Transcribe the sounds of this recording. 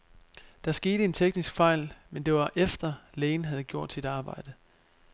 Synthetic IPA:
d̥ɑ̈sɡ̥e̝ːɾ̥əe̝nt͡sʰeɡ̥nisɡ̥fɑ̈ɪ̰lmend̥e̝ʋɑ̈ʔefd̥ɐleːnɦæð̞̩ˠɡ̥jo̝ɐ̰d̥sid̥ɑ̈ːb̥ɑ̈ɪ̰d̥ə

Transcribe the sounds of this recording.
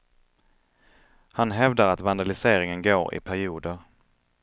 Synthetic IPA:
hanɦɛvd̪aɾat̪vand̪alɪseːɾɪŋənɡoːɾɪ̰pʰæɾɪuːd̪əɾ

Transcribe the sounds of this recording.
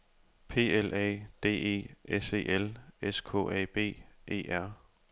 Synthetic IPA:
pʰe̝̰ːelʔɛ̰ːd̥e̝̰ːe̝̰ːese̝̰ːʔeleskʰo̰ɛ̰ːb̥e̝̰ːʔe̝̰ːʔæɐ̰

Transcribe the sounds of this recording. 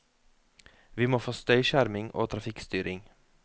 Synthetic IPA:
ʋiːmoːfoːst̪œʏʃæɾmɪŋʔo̰ːt̪ʰɾɑfɪkst̪yːɾɪŋ

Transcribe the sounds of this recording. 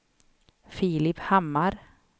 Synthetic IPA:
fiːlɪphamːaɾ

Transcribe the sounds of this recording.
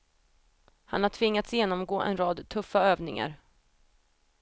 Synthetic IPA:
hanhaʈʰvɪŋːat̪sjeːnɔmɡoːʔɛ̰nɾɑːd̪t̪ʰɵfːaøːvnɪŋa̰ɾ

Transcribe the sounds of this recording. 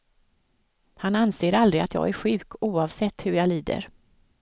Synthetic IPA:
hananseːɾald̪ɾɪat̪jɑ̰ːɡæɾɧʉ̟ːkʰuːɑvsɛt̪ːhɵɾjɑːliːd̪ə̰ɾ

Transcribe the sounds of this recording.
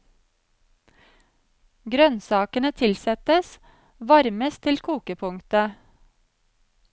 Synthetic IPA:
ɡɾœnsɑːkənət̪ʰɪlsɛt̪əs | ʋɑɾməst̪ʰɪlkʰuːkəpʰʊŋt̪ə

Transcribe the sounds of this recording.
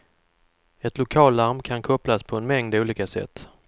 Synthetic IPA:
ɛt̪lʊkʰɑːlt̪aɾmkʰankʰɔplaspʰɔɛnmɛŋd̪uːliːkasɛ̰t̪ː

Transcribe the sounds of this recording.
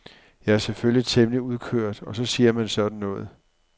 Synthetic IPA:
jɑ̈æɐseføljit͡sʰemliuð̞ˠkʰøɐ̰d̥ɒ̽sɒ̽siːɐmænsɒ̽d̥n̩ːɔ̽ːð̩ˠ

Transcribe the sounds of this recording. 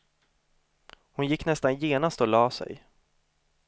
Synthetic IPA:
hʊnjɪkːnɛst̪anjeːnast̪ɔlɑːsɛ̰j

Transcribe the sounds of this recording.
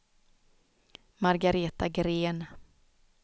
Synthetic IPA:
maɾɡaɾeːt̪aɡɾeːn

